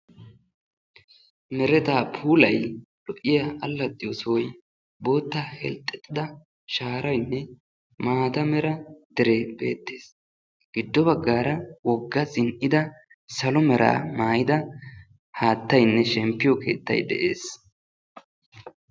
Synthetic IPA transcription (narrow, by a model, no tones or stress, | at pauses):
mɛɾɛt̪aːpʰuːlɐj | lɔʔɪjɐʔɐlːɐd̪ɪjosɔwɔj | bo̞ːt̪ːahɛ̰lt̪ʼːɛt̪ʼːɪd̪ɐ | ʃaːɾɐjnːɛ | maːd̪ɐmɛɾɐd̪̥ɛɾeːbe̞̰ːt̪ːeːs | ɡ̥ɪd̪ːɔbɐɡːaːɾɐwɔɡːɐzɪnʔɪd̪ɐ | sɐlɔmɛɾa̰ːmaːjɪd̪ɐ | haːt̪ːɐjnːɛʃɛmpːɪjɔkʰe̞̰ːt̪ːɐ̰jd̪ɛ̰ʔḛːs